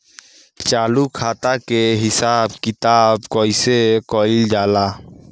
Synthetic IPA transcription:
t͡ʃaːlukʰaːt̪akeɦɪsaːb̚kit̪aːbkɔjsekɔld͡ʒaːla

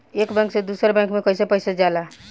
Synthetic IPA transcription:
ekbɛ̃ŋksẽd̪usəɾbɛ̃ŋkmekəjsepəɦjsed͡ʒala

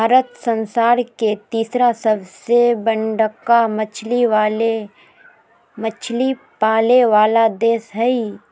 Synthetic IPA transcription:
bʱaːɾət̪sə̃nsaːɾket̪iːsɾasɐbsebə̃ɳɖəkːamət͡ʃʰliale | mət͡ʃʰli | paːleʋaːlad̪eːsɦɛi

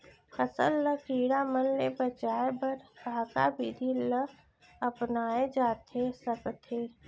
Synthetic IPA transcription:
kʰəsə̰lːəkiːɽamənlebət͡ʃaːebəɾʱaːka̰bid̪ʱilə | ɐpnaːed͡ʒaːt̪ʰesəkt̪ʰeː

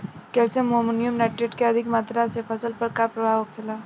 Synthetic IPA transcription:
kɛːsemoːmɪnjʊmnaːʈeʈkeɐd̪ʱɪkmaːt̪ɾasefɐsəlpɐɾkapɾɐʋaːɦokʰelaː

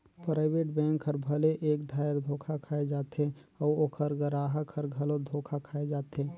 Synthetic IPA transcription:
pɾaːɪbeːʈbɛ̃ːŋkʰəɾbʱəleʔeːkd̪ʱaːjəɾd̪ʱoːkʰakʰaːed͡ʒaːt̪ẽɔːoːkʰəɾɡəɾaːɦəkʰəɾɡʱɐlod̪ʱoːkʰakʰaːed͡ʒaːt̪ẽː

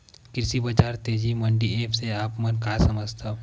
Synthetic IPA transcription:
kɪɾsibɐd͡ʒaːɾt̪eːd͡ʒiməɳɖieːpʰseaːpmənkasɐməd͡ʒt̪ʰa

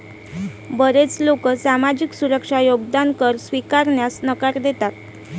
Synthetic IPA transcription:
bəɾet͡slokəsamad͡ʑiksuɾəkʂajoɡd̪ankəɾsʋikaɾɳjasnəkaɾd̪et̪at̪̚

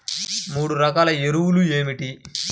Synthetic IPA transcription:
muːɽuɾɐkaːlɐeɾuwulueːmiʈi

